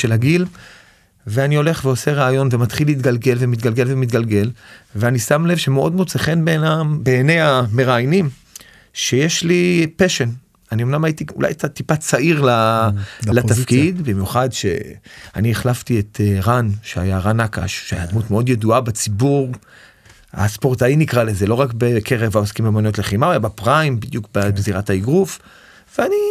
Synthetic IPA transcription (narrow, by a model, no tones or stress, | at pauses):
ʃelhaɡil | veanio̞le̞χveo̞se̞ʁaːjo̞nve̞mat̪χiliːt̬ɡalɡe̞lvemit̪ɡalɡe̞lvemit̪ɡalɡe̞lveanisamle̞vʃe̞meo̞dmut͡seχe̞nbenambe̞ːne̞jame̞ʁaːjnim | ʃe̞jeʃlipeʃen | anio̞mnamajit̪iṵla̰jt̪at̪ipat͡saʔiʁla | latafkidbimjuχadʃḛa̰nieχlaftietʰeʁanʃea̰jaʁanaka̰ʃʃea̰jad̪mutmeo̞djeduabet͡sibuʁ | a̰spo̞ʁtainikʁaleze̞lo̞ʁakbekʰeʁevaoskimemonio̞tleχimaolabepʁaimbid̪jukbebeziʁathaiɡʁuf | veani